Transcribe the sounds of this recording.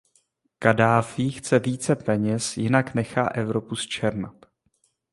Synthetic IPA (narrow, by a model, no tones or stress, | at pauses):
kadaːfixt͡sɛviːt͡sɛpɛɲɛsjɪnaknɛxa̰ːʔɛvɾopust͡ʃɛɾnat̪